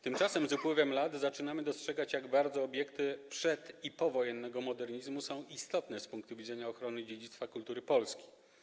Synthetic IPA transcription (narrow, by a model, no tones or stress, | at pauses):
t̪ɘmt͡ʂasɛmzupwɘvɛmlat̪zat͡ʂɘnamɘd̪ɔstʂɛɡat͡ɕjaɡbaɾd̪zɔːbʲjɛkt̪ɘpʂɛt̪ipɔvɔjɛnːɛɡɔmɔd̪ɛɾɲizmusɔ̃w̃ist̪ɔt̪nɛspuŋkt̪uvʲid̪zɛɲaɔxɾɔnɘd͡ʑed͡ʑit̪st̪fakult̪uɾɘpɔlskʲe̥